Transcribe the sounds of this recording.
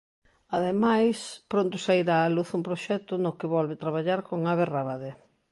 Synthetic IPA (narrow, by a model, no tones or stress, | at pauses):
aðemajspɾont̪ʊsajɾaːluθumpɾoʃɛt̪ʊnokɪβɔlβɪt̪ɾaβaʎaɾkoŋaβeraβaðe